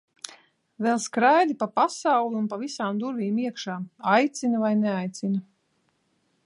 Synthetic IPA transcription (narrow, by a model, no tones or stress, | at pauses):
vɛlˠskɾajd̪ipapasawlˠʲunpavisaːmd̪uɾviːmiɛkʃaːajt̪sinavajnɛajt̪sinɐ